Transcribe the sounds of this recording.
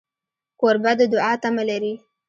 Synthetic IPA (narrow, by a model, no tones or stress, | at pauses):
koɾbad̪əd̪ʊɑt̪amalaɾi